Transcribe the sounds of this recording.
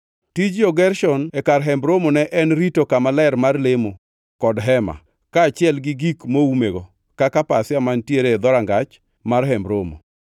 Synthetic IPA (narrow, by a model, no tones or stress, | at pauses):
tid͡ʒoɡɛrʃɔnekarɦɛmbɾomonɛʔɛnɾitokamalɛɾmarlemo | kɔdɦɛma̰ | kaːt͡ʃɪɛlɡɪɡikmoumeɡo | kakapasɪamantjeɾeːd̪ɔɾaŋɡat͡ʃ | marɦɛmbɾomo̰